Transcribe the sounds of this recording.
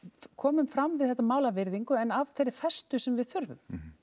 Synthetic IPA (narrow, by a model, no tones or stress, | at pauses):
kʰɔːmʏmfɾamvɪðθɛt̪amaːwlavɪɾðiŋkʏɛnavθejɾːɪ̥fɛst̪ʏsɛmvɪðθʏɾðʏ̰m